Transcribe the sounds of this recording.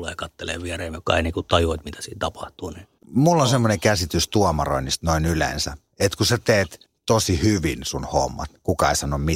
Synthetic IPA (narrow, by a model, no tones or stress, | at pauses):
leːkɑt̪ːelḛːʋʋiɛreːmokkɑ̰inekut̪ɑjot̪mit̪æ̥siːnt̪ɑpɑht̪uːni | mulːonsemːoneŋkæsit̪yst̪uɑmɑro̰inːist̪noinylḛnsæ̰ | et̪kuset̪eːt̪ | t̪osihyʋinsunho̰mːɑ̰t̪kukɑeisɑnːommi